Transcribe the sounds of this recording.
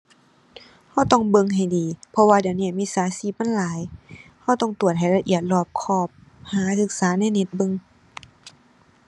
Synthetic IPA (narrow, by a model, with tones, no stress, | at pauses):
ha˧˩wt̪ɔ˧˩ŋbɤ˧˨ŋɦa˨˩jdiː˨pʰɔ˧waː˧di˨˩əwniː˧˩˨miː˧˥˨saː˨˦siː˧˩p̚ma˧˥˨nlaː˨˦jha˧˩wt̪ɔ˧˩ŋt̪u˨˩ət̪̚ha˨˩jla˧ʔḭ˧˩ət̪̚lɔː˧˩p̚kʰɔː˧˩p̚haː˨˦sɯ˧˦k̚saː˨˦na˧˥˨jne˧˥t̪̚bɤ˧˨ŋ